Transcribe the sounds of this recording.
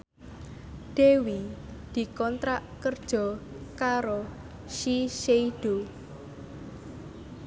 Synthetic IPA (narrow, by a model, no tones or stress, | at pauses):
ɖ̪̥ewid̪̥i̤kɔnt̪ɾaʔkərd̥ʒ̥ɔ̤ | kaɾo | ʃiʃeiɖ̥o